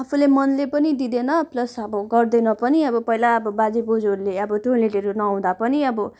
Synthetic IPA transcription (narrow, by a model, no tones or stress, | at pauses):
apʰulemʌnlepʌnid̪id̪enʌplʌsʌbʌɡʌrd̪enʌpʌniʌbʌpʌɦilaʌbʌbad͡zibod͡zoɾuleʌbʌt̪ʰoleʈeɾonʌãw̃d̪apʌniʌbʌ